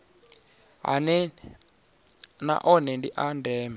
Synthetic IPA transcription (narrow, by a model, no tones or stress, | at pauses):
ɦa̰nɛ | na̰ʔɔnɛndiʔandɛːmɛ